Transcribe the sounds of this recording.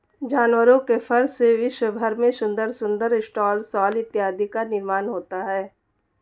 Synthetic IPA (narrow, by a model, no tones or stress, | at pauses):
d͡ʒaːnwəɾõkefɐɾseʋɪʃwəbʱəɾmẽsʊ̃nd̪əɾsʊ̃nd̪əɾɪsʈaːlsɔːlɪt̪jaːd̪ʱikanɪɾmaːnɦoːt̪aɦɛː